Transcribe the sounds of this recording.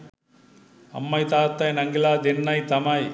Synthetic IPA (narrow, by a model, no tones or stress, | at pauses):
ɐ̰mːɐjt̪aːt̪ːɐjnɐŋɡɪlaːd̪ɪnːɐɪt̪ɐmɐj